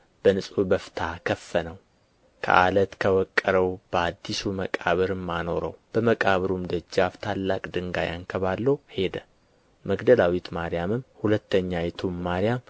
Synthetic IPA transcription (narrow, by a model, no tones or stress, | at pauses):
b̥ənɨsʼubəfɨ̥t̪ʰakʰəfːənəw | kʰə̰ʔalət̪kʰəwɔkʼːəɾəwb̥əad̪ːisuməkʼaβɨɾɨmːano̞ɾə̰wb̥əməkʼaβɨɾumd̪əd͡ʒːaft̪ʰalːakʼd̪ɨŋɡaja̰nkʰəβalːəwhe̞d̪ə | məɡd̪əlawit̪maɾijamɨmhulət̪ːəɲːajɛt̪ʰumːaɾijam